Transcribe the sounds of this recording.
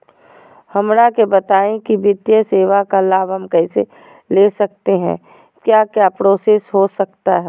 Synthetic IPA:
hɐmɾakebɐt̪aːẽkiʋɪt̪jəseːʋakalaːbɦɐmkɛɪsḛ | leːsɐk̚t̪eɦɛ̰̃ː | kjaːkjapɾoːseːsɦosɐkt̪aɦɛː

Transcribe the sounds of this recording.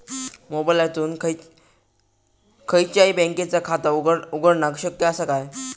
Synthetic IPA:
mobajlat̪uːnkʰ | kʰəjt͡ɕjaibɛ̃ŋket͡sakʰat̪auɡəɽnaɡɕəkjəːsakaj

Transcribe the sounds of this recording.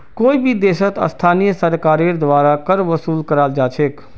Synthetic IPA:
koːibʱid̪eːsət̪ə̰st̪ʰaːnijəsəɾkaːɾeɾd̪ʋaɾakəɾʋəsuːlkəɾaːld͡ʒaːt͡ʃʰek

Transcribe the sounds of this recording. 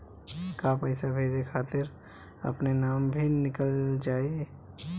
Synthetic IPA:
kapɛɪsabʱeːd͡ʒekʰaːt̪ɪɾ | ɐ̰pnenaːmbʱinɪkəld͡ʒaːe

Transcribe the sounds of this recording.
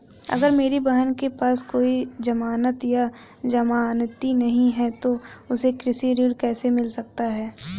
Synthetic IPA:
ɐ̰ɡəɾmeːɾibɐɦənkepaːskoːid͡ʒɐmaːnət̪ja | d͡ʒɐmaːnt̪inɐɦĩɦɛt̪oʊsekɾɪsiːɾiəɾkɛːsemɪlsɐk̚t̪aɦɛː

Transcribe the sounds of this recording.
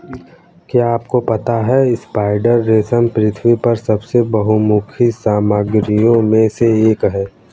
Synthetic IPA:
kjaaːpkopɐt̪aɦɛɪspaːɪɖəɾːeːsənpɾɪt̪ʰwipɐɾsɐbsebɐɦumʊkʰisaːməɡɾijõmẽseeːkɦɛː

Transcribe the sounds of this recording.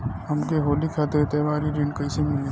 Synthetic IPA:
əmkeɦoːlikʰat̪əɾt̪eʋaːɾiɾiɳɖkəjsemil

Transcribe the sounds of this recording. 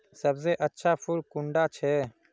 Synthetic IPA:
səbzeːʔətːʃʰaːpʰʊlkʊɳɖaːt͡ʃʰɛː

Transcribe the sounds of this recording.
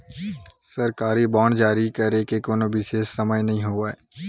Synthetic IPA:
sɐɾkaːɾibaːɽ̃d͡ʒaːɾikɐɾekekoːnoʋɪʃeːsːɐməjnɐɦĩɦoːaeː

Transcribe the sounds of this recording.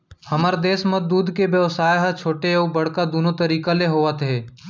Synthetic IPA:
həməɾd̪eːsmət̪̚d̪uːd̪kebjəʋsaːjɦat͡ʃʰoːʈeoːbəɽ̤kad̪oːnot̪əɾiːkaleɦoːʋət̪ɦɛː

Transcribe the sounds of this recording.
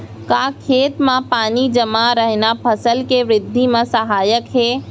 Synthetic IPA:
kaːkʰeːt̪mãpaːnid͡ʒəmaɾəɦnapʰɐsəlkeʋɾɪd̪ʱːimãsɐɦaːjəkɦeː

